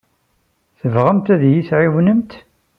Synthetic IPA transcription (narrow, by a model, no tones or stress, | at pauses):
θəvʁəmt̪æðjiθʕiwnəmt̪